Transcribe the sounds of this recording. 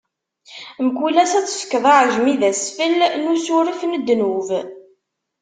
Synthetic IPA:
mkulæsæt͡sːsə̥kːəðˤaʕəʒmiðæsfəlnusʊɾifnəd̪ːnuv

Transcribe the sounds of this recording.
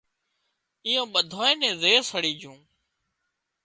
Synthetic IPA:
ɪjõːɓəd̪ʱoːẽːnẽːzeːsəɽiːd͡ʒũː

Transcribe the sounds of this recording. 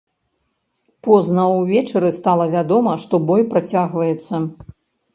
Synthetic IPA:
pɔznɐwvʲɛt͡ʂɐɾɨst̪alˠɐvʲad̪ɔmɐʂt̪ɔbɔjpɾat͡sʲaɣvɐjɛt̪sːɐ

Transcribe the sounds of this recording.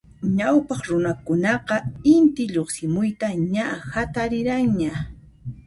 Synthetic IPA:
ɲawpɑχɾʊnakʊnɑqɑɪnt̪ɪʎoχsɪmʊjt̪aɲahat̪aɾɪɾaŋɲa

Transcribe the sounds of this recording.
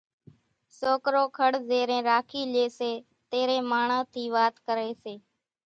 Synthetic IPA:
soːkɾoːkʰəɽzeːɾẽːɾaːkʰiːleːseː | t̪eːɾẽːmaːɳãːt̪ʰiːʋaːt̪kəɾeːseː

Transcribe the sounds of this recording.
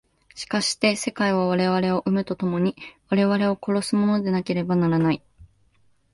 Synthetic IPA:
ɕi̥kaɕi̥t̪e̞se̞kaiβ̞aβ̞aɾe̞β̞aɾe̞o̞ʔɯmɯt̪o̞t̪o̞mo̞ɲ̟iβaɾe̞β̞aɾe̞o̞ko̞ɾo̞sɨmo̞no̞d̪e̞nake̞ɾe̞banaɾanai

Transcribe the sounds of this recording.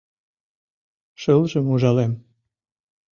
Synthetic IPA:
ʃəlʒəmuʒɑlem

